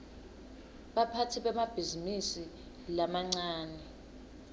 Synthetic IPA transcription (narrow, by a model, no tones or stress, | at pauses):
ɓapʰatʰiɓɛmab̥ʱizimisi | lamaŋ͡ǀaːnɛ